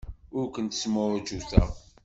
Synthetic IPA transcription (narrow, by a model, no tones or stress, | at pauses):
ʊɾkʷənt̪ə̥sməɾd͡ʒuθæ̰